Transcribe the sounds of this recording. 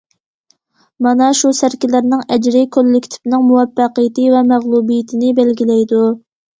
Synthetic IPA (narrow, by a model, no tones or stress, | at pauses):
mɑnɑʃusæɾkʲilæɾnɪŋɛd͡ʒɾɪkʰʲolːɪkʲt̪ʰɪ̥pnɪŋmuwɛpːɑqəjɪt̪ʰɪvɛmæʁlˠubijɪt̪ʰɪnɪbælɡʲilɛjd̪u